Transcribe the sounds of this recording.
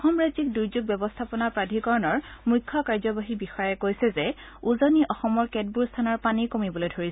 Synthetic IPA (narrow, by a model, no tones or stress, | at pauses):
ɔxɔmɹazik̚duɹzuɡ̚bjɔbɔstʰapɔnaɹpɹadʱikɔɹɔnɔɹmujkʰːɔkaɹzɔbaɦibixɔjɛkojsɛzɛ | uzɔniʔɔxɔmɔɹkɛt̚buɹstʰanɔɹpanikomibɔlojdʱoɹisɛ